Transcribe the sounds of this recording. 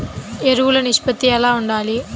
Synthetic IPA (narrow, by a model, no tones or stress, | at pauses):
eɾuʋulɐniʂpɐt̪ːijɛlaːuɳɖaːli